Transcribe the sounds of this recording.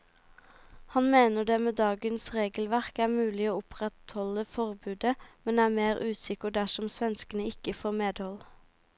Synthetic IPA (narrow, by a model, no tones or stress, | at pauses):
hɑnmeːnəɖ̪eːmeːd̪ɑːɡənsʁeːɡəl̩ʋæʁkæːʁmʉːlɪoːʊpʁɛt̪hɔləfɔʁbʉːd̪əmɛnæːmeːʁʔʉːsɪkəɖ̪æʃɔmsʋɛnskənəɪkəfoːmeːd̪hɔl